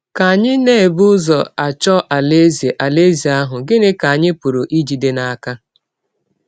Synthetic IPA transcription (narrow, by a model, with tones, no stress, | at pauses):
ka˨ɲɪ˦ne˦˨bu˦ʊ˦zɔ˨a˨t͡ʃɔ˦ʔa˨le˦ze˨ʔa˨le˦zi˨a˦ɦʊ˨ɡɪ˦nɪ˦ka˨a˨ɲɪ˦pu˨ɾʊ˨ʔi˦d͡ʒi˨de˦na˦a˦ka˦